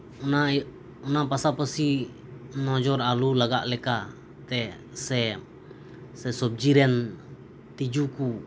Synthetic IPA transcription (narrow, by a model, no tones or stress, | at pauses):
una | unapasapəsi | nɔd͡ʒɔɾalulaɡaʔlɛka | t̪ɛ | sɛ | sɛsɔb̚d͡ʒiɾɛn | t̪id͡ʒuku